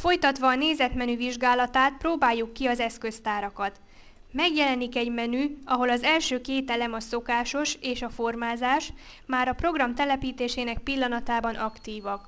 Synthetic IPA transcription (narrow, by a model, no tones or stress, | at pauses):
fo̞jt̪ɒt̪ʋɒːneːzɛt̪mɛnyviʒɡaːlɒt̪aːt̪̚proːbaːjːukːiɒzɛskø̞st̪aːɾɒkɒt̪ | mɛɡjɛlɛnikɛɟmɛnyɒɦo̞lɒzɛlʃøːkeːt̪ɛlɛmɒso̞kaːʃo̞ʃeːʃɒfo̞rmaːzaːʃ | maːɾɒpro̞ɡrɒmt̪ɛlɛpiːt̪eːʃeːnɛk̚pilːɒnɒt̪aːbɒnʔɒkt̪iːvɒk